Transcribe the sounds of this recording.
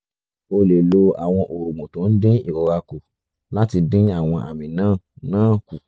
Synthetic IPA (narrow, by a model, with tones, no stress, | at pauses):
o˧le˨lo˧a̰˨w̃ɔ̃˧ʔo˨ɾo˨mũ˨tõ˨˦n̩˦dĩ˦i˦˨ɾɔ˨˦ɾa˧ko˨ | la˦ti˧dĩ˦a˦˨w̃ɔ̃˧ʔa̰˨mĩ˨nãː˦˨nãː˦˨ku˨